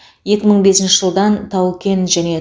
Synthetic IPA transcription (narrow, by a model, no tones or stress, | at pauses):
je̞kʲɪməɴbe̞sɪnʃɪʒəlˠd̪ɑnt̪ʰɑwkʲe̞nʒæne̞